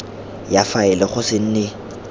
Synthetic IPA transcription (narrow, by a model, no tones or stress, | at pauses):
jafaɪlɛχʊsɪn̩ːnɪ